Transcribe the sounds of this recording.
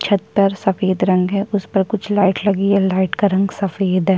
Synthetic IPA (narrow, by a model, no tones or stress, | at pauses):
t͡ʃʰɐt̪ːəɾsɐfeːd̪ɾɐ̃ŋɡɦɛʔʊspɐɾkʊt͡ʃʰlaːɪʈlɐɡiɦɛlaːɪʈkaɾɐ̃ŋɡsɐfeːd̪ʱɦɛː